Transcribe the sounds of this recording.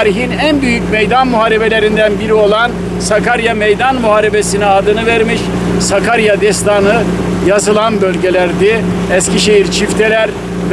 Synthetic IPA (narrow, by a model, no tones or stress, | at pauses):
ɾiɦinænbyjycmejd̪anmuɦaːɾebe̞lʲe̞ɾind̪ænbiɾio̞lˠan | sakaɾjamejd̪anmuɦaːɾebesinɛad̪ɯnɯvæɾmiʃ | sakʰaɾjad̪ɛst̪ʰanɯ | jazɯlˠanbølʲɟe̞lʲæɾd̪i | ɛsciʃe̞jiɾt͡ʃʰift̪ʰelʲæɾ | v